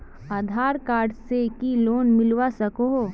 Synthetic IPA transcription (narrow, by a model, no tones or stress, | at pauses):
aːd̪ʱaːɾkaːɾɖsekiloːnmɪlwasɐkoɦo